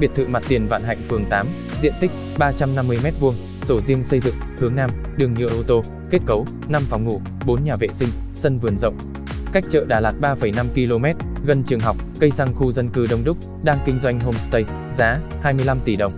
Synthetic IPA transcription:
ɓi˨˩ət̪ʰɨ̰˧˨ma˨˩t̚t̪i˨˩ənva̰ː˧˨nɦa̰˧˨jŋ̟fɨ˨˩əŋt̪aː˨˦m | zḭ˧˨ənt̪ï˦˥k̟̚ | ɓaː˧t͡ɕa˧mna˧mːɨ˧əjmɛ˦˥t̚vu˧əŋ | so˧˩zi˧əŋsə˧jzɨ̰˧˨ŋhɨ˨˦ŋnaː˧m | ɗɨ˨˩əŋɲɨ̰˧˨əʔo˧t̪o˧ | ke˦˥t̚kə˨˦w | na˧mfa˨˦wŋ͡mŋu˧˩ | ɓo˨˦nɲaː˨˩vḛ˧˨sï˧ŋ̟ | sə˧nvɨ˨˩ənzə̰˧˨wŋ͡m | ka˦˥jk̚t͡ɕə̰ː˧˨ɗaː˧˩laː˨˩t̚ɓaː˧fə˧˩jna˧mki˧lo˧mɛ˦˥t̚ɣə˧˩nt͡ɕɨ˨˩əŋɦa˨˩wk͡p̚ɣə˧jza˧ŋxu˧zə˧nkɨ˧ɗə˧wŋ͡mɗʊ˦˥k͡p̚ | ɗaː˧ŋkï˧ŋ̟zwa˧jŋ̟ɦo˧mst̪ə˧j | zaː˨˦haː˧jmɨ˧əjla˧mt̪i˧˩ɗə˨˩wŋ͡m

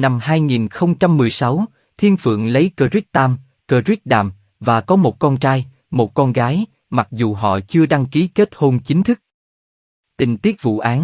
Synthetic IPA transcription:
na˧mhaː˧jŋi˨˩nxə˧wŋ͡mt͡ɕa˧mːɨ˨˩əjsa˨˦w | t̪ʰi˧ənfɨ̰˧˨əŋlə˨˦jkəː˧zi˦˥k̚t̪aː˧m | kəː˧zi˦˥t̚ɗa̰ː˨˩m | vaː˨˩kɔ˨˦mo˨˩t̚kɔ˧nt͡ɕaː˧j | mo˨˩t̚kɔ˧nɣaː˨˦j | ma˨˩k̚zu˨˩ɦɔ̰˧˨t͡ɕɨ˧əɗa˧ŋki˨˦ke˦˥t̚ho˧nt͡ɕï˨˦ŋ̟t̪ʰɨ˦˥k̚ | t̪ï˨˩ŋ̟t̪i˦˥ək̚vṵ˧˨ʔaː˨˦n

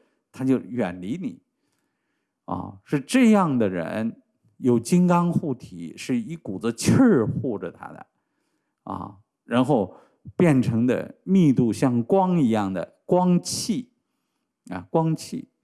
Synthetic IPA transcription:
t̪ʰa˥t͡ɕjo˥˩ʊɥɛ˨˩nli˧˥ni˨˩˦ | ɐ̰˧˩ʂɻ̩˥˧ʈ͡ʂɤ˥˧jɑ˥˩ŋd̪ə˩ɻə̰˧˥n | jo˨˩ʊt͡ɕi˥ŋkɑ˥ŋxu˥˩t̪ʰḭ˧˥ʂɻ̩˥˩i˥˩ku˨˩d͡zə˧t͡ɕʰə˥˧xwɔ˥˩ʈ͡ʂə˨˩t̪ʰa̰˥d̪ə̰˩ | ɐ̰˧ | ɻa˧˥nxo˥˧ʊ | pjɛ˥˩nʈ͡ʂʰɤ˧˥ŋd̪ə̰˧mi˥˧t̪u˥˧ɕjɑ˥˩ŋkwɑ˥ŋi˧˥jɑ˥˩ŋd̪ə̰˩kwɑ˥ŋt͡ɕʰi˥˩ | ɐ̰˧˩kwɑ˥ŋt͡ɕʰḭ˥˩

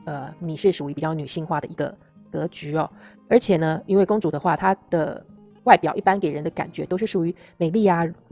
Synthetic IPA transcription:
ə˧ni˨˩ʂɻ̩˥˩ʂu˨˩y˧˥pi˨˩t͡ɕɑ˥˩ʊny˨˩ɕi˥˧ŋxwa˥˩d̪ə̰˩i˧˥ɡə̰˧ | kɤ˧˥t͡ɕy˧˥ɔ˥˩ | ə˞˧˥t͡ɕʰjɛ˨˩nə˦i˥nwe˥˩ɪkʊ˥ŋʈ͡ʂu˨˩d̪ə˦xwa˥˩t̪ʰa˥d̪̥ə̰˨ | wa˥˩ɪpjɑ˨˩ʊʔi˥˩pa˥nke˨˩ɪɻə˧˥nd̪ə˧ka̰˨˩nt͡ɕɥɛ̰˧˥t̪o˥ʊʂɻ̩˥˩ʂu˨˩y˧˥ | me˨˩ɪli˥˩a˧

